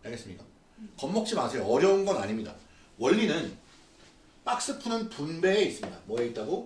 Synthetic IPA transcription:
aɭɡes͈ɯmɲik͈a | kʌmːʌk̚t͡ɕ͈ʰimasʰe̞joʌɾjʌunɡʌnaɲimɲida̰ | wʌʎːinɯn | p͈ak̚s͈ɯpʰɯnɯnpunbe̞eːis͈ɯmɲida̰mwʌeit̚t͈aɡo

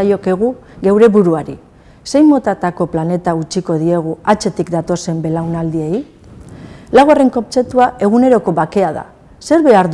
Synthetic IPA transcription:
ajo̞ke̞ɣ̞uɣe̞wɾe̞βuɾuaɾi | se̞jmo̞t̪at̪ako̞plane̞t̪aut͡ʃiko̞ð̞ie̞ɣ̞uat͡ʃe̞t̪ikd̪at̪o̞se̞mbe̞lawnald̪ie̞j | laɣare̞ŋko̞p̚t͡se̞t̪uae̞ɣ̞une̞ɾo̞ko̞βake̞aða̰ | se̞ɾβe̞aɾ

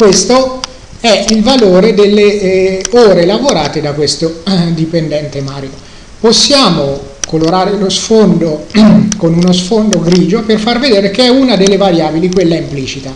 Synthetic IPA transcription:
kwest̪o | ɛilvaloːɾed̪elːe | oːɾelavoɾaːt̪ed̪akːwest̪od̪ipend̪ɛnt̪emaːɾjo | posːjaːmokoloɾaːɾelosfond̪okonunosfond̪oɡɾiːd͡ʒoperfarved̪eːɾek̟eɛunad̪elːevaɾjaːbilikwelːaimpliːt͡ʃit̪a

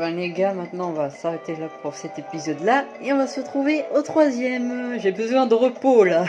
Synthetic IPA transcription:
vãneɡamɛ̃t̪nɑ̃ɔ̃vasaʁet̪elapuʁsɛt̪epizɔd̪laeɔ̃vasəət̪χuveot̪χwazjɛmʒebəzwɛ̃d̪əʁəpola

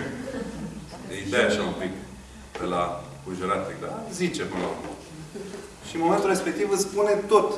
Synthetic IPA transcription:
eid̪ejaʃaumpik | d̥ela | kuʒuɾat̪t̪ik̚d̪a̰zit͡ʃepɨnome | ʃimoment̪ulrespe̞k̚t̪ivɨspune̞t̪ot̪

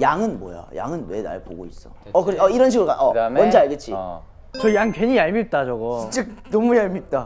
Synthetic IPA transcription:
jaŋɯnmʌ̰ja̰ja̰ŋɯnwe̞na̰ɭpo̰ɡo̰is͈ʌ̰ | ʌkɯɾʌiɾʌnɕ̬ʰiɡɯɾokaʔʌmmʌnd͡ʑeaɭɡet͡ɕʰi | t͡ɕʌjaŋkeɲijaɭmip̚t͈at͡ɕʌɡoit͡ɕ͈ek̚nʌmujaɭmip̚t͈a

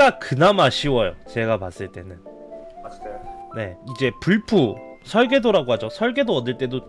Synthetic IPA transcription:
akɯnamaɕʰiwʌjo̰t͡ɕe̞ɡapas͈ɯɭt͈e̞nɯn | asne̞id͡ʑe̞puɭpʰusʰʌɭɡe̞doɾaɡoɦad͡ʑosʰʌɭɡe̞doʌdɯɭt͈e̞do

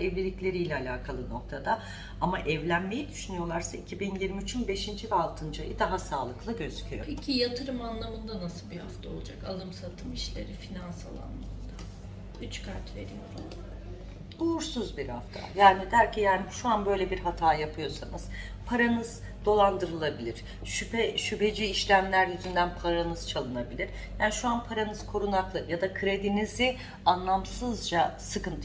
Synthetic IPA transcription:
ɛvlʲilʲiclʲe̞ɾijlʲɛalʲaːkʰalˠɯno̞k̚t̪ʰad̪a | amaʔɛvlʲænme̞jid̪yʃynyjo̞lˠaɾsaicʰibinjiɾmiːt͡ʃʰynbe̞ʃind͡ʒivɛalˠt̪ʰɯnd͡ʒajɯd̪aɦasaːlˠɯklˠaɟø̞zycʰyjopʰecʰijat̪ʰɯɾɯmanlˠamɯnd̪anasɯlˠbihaft̪ʰao̞lˠud͡ʒaka̰lˠɯmsat̪ʰɯmiʃlʲe̞̰ɾifinansa̰lˠa̰nːɯnd̪a | yt͡ʃkʰaɾt̪ve̞̰ɾijo̞̰ɾum | uːɾsuzbiɾha̰ft̪ʰa̰jaːnid̪æɾcʰijaːniʃuanbø̞jlʲebiɾɦat̪ʰaːjapʰɯjo̞sanɯz̥ | pʰaɾanɯz̥ | d̪̥o̞lˠand̪ɯɾɯlˠabilʲiɾ̥ | ʃypɛʃype̞d͡ʒiːʃlʲæmlʲæɾjyzynd̪ænpʰaɾanɯz̥t͡ʃʰalˠɯnabilʲiɾ | jaːniʃuanpʰaɾanɯz̥kʰo̞ɾunaklˠɯjad̪akʰɯɾe̞d̪inizi | anlˠamsɯzd͡ʒasɯkɯnt̪ʰ

